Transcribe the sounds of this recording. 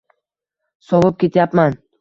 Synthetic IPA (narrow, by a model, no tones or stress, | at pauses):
sɒʁɨp̚kʲe̞t̪ʰjapman